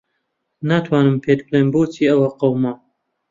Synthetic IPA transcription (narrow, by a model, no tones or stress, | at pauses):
nat̪ʰwaːnɨmpʰeːt̪bleːmbuːt͡siːɐwɐqɐwma